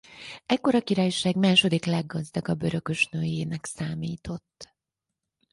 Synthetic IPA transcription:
ɛkːo̞ɾɒkiɾaːjʃaːɡmaːʃo̞d̪iklɛɡːɒzd̪ɒɡɒbːøɾø̞kø̞ʃnøːjeːnɛksaːmiːt̪o̞t̪ː

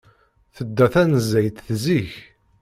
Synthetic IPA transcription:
θəd̪ːæθænəzːæjt̪θziç

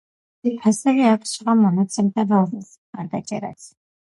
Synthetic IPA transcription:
ipʰasɛviaksʃiʁamɔnat̪sʰɛmt̪ʰavazɛsmχaɾd̪at͡ʃʼɛ̰ɾa̰sʰ

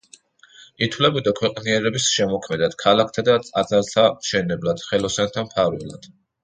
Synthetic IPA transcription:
it̪ʰwlɛbid̪akʰwɛqʼniɛɾɛbisʃɛmɔkʰmɛd̪ad̪̥kʰalak̚ʰt̪ʰad̪aat̪sʼaɾt̪ʰamʃɛnɛblad̪̥χɛlˠɔsant̪ʰampʰaɾwɛ̰lˠa̰d̪̥

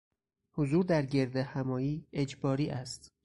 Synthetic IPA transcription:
hozuːɾd̪æɾɟe̞ɾd̪ehæmɒːjiːe̞d͡ʒbɒːɾiːʔæst̪

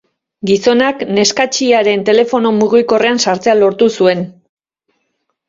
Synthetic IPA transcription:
ɡiso̞nakne̞skat͡ʃiaɾe̞nt̪e̞le̞fo̞no̞muɣiko̞re̞ansaɾt͡se̞alo̞ɾt̪usue̞n

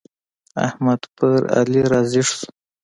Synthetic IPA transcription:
a̰hmad̪pəɾa̰liɾɑzɪʂs

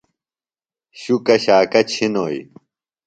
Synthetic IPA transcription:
ɕukɐɕaːkɐt͡ɕʰinoːj̰

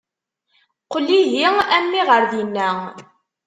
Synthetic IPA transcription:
qəlːiʝiæmːiʁəɾðinːæ

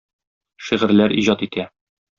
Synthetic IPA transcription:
ʃiʁɘ̆ɾlæɾiʑɒt̪it̪ʰæ

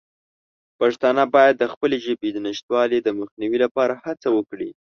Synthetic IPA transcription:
pɑʒt̪ɑnabɑjad̪ːəxpəleʒəbed̪ənəʃt̪wɑled̪əməxniwilapɑɾahat͡sawəkɽḭ

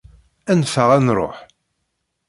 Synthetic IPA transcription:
ænfəʁænɾˤo̰ħ

